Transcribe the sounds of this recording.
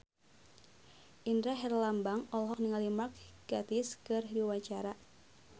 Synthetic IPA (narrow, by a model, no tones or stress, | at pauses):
ʔindɾaɦɛrlambaŋɔlɦɔk̚niŋalimak̚ɡ̥at̪iskɨrdiwaɲt͡ʃaɾa